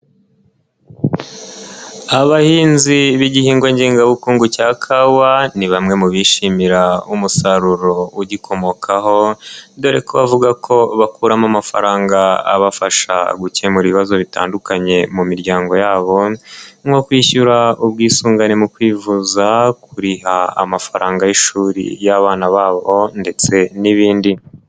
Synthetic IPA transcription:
aβahiːnziβiɟihiːŋɡweɲɟiːŋɡaβukuːŋɡucakʰawaniβamŋe̞muβiːʃimiɾaumusaɾuɾo̞uɟikʰo̞mo̞kʰaɦo̞ndo̞ɾekʰoβavuɡakʰo̞βakuːɾamamafaɾaːŋɡaa̰βafaʃa̰ɡuce̞muɾiiβazo̞βita̰ːndukaɲe̞mumiɾɟaːŋɡo̞jaːβo̞ŋɡo̞kwiːçuɾaub̚ɡiːsuːŋɡanemukwiːvuzakʰuɾiɦaa̰mafaɾaːŋɡajiʃuːɾḭjaβaːnaβaːβo̞nde̞t͡se̞niβiːndi

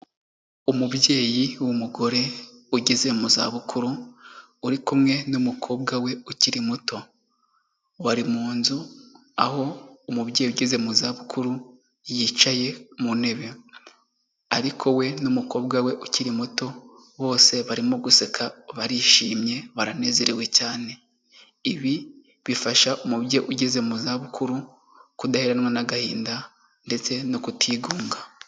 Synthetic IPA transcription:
umubje̞ːjiwumuɡo̞ɾe̞ | uɟeze̞muza̰βukʰuɾu | uɾikumŋe̞numukʰo̞ːbɡawe̞uciɾimuto̞ | waɾimuːnzu | aho̞umubje̞ːjiuɟize̞muzaβukʰuɾu | jit͡ʃaje̞mune̞βe̞ | aɾikʰo̞we̞numuko̞bɡawe̞ʔuciɾimuto̞ | βo̞ːse̞βaɾimoɡusekʰaβaɾiʃiːmɲe̞βaɾane̞ːze̞ɾewe̞caːne̞ | iβi | βifaʃaʔomuβɟeʔuɟeze̞muzaβukʰuɾu | kudaheɾanwanaɡahiːnda | nde̞t͡se̞nokutʰiːɡuːŋɡa

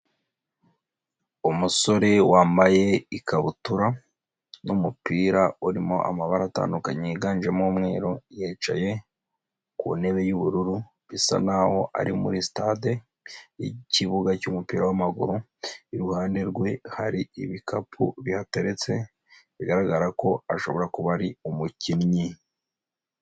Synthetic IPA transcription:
umuso̞ɾe̞waːmbaje̞ikaβutuɾa | numupiːɾauɾimo̞ʔa̰maβaɾata̰ːndukaɲeiɡaːnʒemoːmŋe̞ːɾojeːt͡ʃaje̞ | kṵne̞βe̞juβuɾuɾu | βisa̰naho̞ʔa̰ɾimṵɾistade | iciβuɡacumupiːɾawamaɡuɾu | iɾuhaːnde̞ɾɡwe̞haɾiiβikapʰṵβihate̞ɾe̞t͡se̞ | βiɡaɾaɡaɾako̞aʃo̞βo̞ɾakuβaɾiumucinɲi

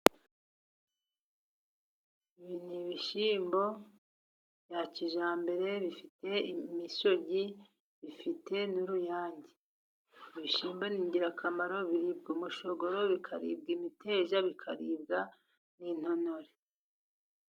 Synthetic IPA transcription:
iβiniβiʃiːmbo̞ | jaciʒaːmbe̞ɾe̞βifite̞imiso̞ɟi | βifite̞nuɾujaːɲɟi̥ | iβiʃiːmbo̞niːɲɟiɾakʰamaɾo̞βiɾib̚ɡomuʃo̞ɡo̞ɾoβikʰaɾḭːb̚ɡimite̞ːʒaβikʰaɾiːb̚ɡa | nin̥ho̞no̞ɾe

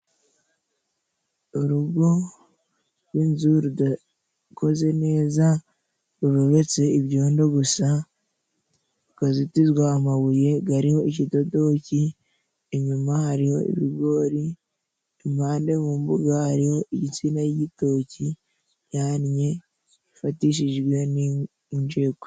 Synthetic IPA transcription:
oɾuɡo̞ | ɾɾwinzuɾuda | ko̞ze̞ne̞ːza | ɾuβoβe̞t͡se̞iβɟoːndo̞ɡusa | ukazitizɡwaːmaβuje̞ɡaɾiho̞icido̞do̞ci | eɲumahaɾiho̞̰ḭβiɡo̞ːɾi | emaːnde̞βuːmbuɡahaɾiho̞iɟit͡siːnajɟito̞ci | jaːnɲe̞ | ifatiʃ̬iʒɡwe̞ni | uɲd͡ʒeːko

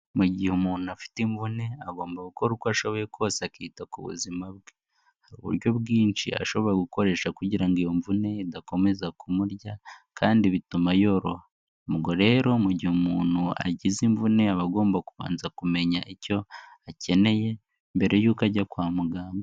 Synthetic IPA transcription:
muɟihumuːnuafi̥tiɱvune̞aɡo̞ːmbaɡukoɾukoaʃo̞βo̞je̞kʰwoːseakiːtakuβṵzimabɡe | haɾṵβṵɾɟo̞βɡiːnt͡ʃḭa̰ʃo̞βo̞jeɡuko̞ɾe̞ːʃakuɟiɾaŋɡijoɱvune̞idako̞me̞zakumuɾɟakʰaːndiβitumajo̞ɾo̞ha | muɡo̞ɾe̞ːɾo̞muɟihumuːnua̰ɟiziɱvune̞aβaɡo̞ːmbakuβa̰ːnzakume̞ɲaʔico̞ace̞ne̞je̞ | mbe̞ɾe̞juːkaɟakwaːmuɡaːmbɡo

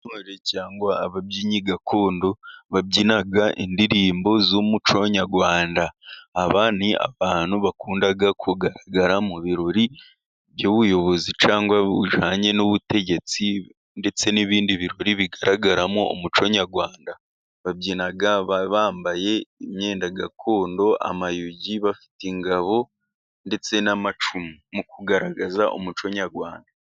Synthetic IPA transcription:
noɾecaːŋɡwaːβabɟiɲiɡakʰoːndoβabɟinaɡaʔḭndiɾiːmbo̞zomut͡ʃo̞ɲaɡwaːndaːβaːnia̰βaːnuβakuːndaɡakʰuɡaɾaɡaɾamuβiɾo̞ɾi | βjoːβujo̞βo̞zit͡ʃaːŋɡwaṵʒaːɲe̞noβute̞ɟe̞t͡si | nde̞t͡se̞niβiːndiβiɾo̞ɾiβiɡaɾʔaɡaɾamoo̰mut͡ʃo̞ɲaɾɡwaːnda | βabɟinaɡaββaːmbaje̞imɲe̞ːndaɡakʰo̞ːndo̞ʔa̰majuɟiβafi̥tiŋɡaβo̞ | nde̞t͡se̞namat͡ʃumimukuɡaɾaɡazaʔo̰mut͡ʃo̞ɲaɾɡwaːnda

